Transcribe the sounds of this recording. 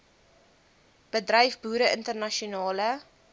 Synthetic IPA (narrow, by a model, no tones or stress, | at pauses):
b̥ədrœjfbuːɾəəntərnɐʃiunɑːlə